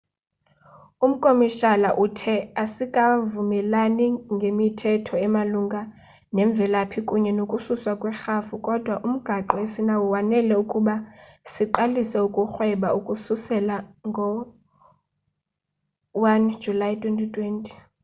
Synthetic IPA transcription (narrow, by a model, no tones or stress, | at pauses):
um̩kʼomiʃalaʔutʰɛasikʼavumɛlaniŋɡʱemitʰɛtʰɔɛmaluŋɡʱa | nɛɱb̪vʱɛlapʰikʼuɲɛnokʼususwakʼwɛxafukʼɔd̥ʱwaʔum̩ɡ̥ʱaǃɔesinawuwanɛlɛukʼuɓasiǃalisɛukʼuxwɛɓaukʼususɛlaŋɡʱɔ | wand̥d͡ʒʱulajtʼwɛntʼitʰʼwɛntʼi̥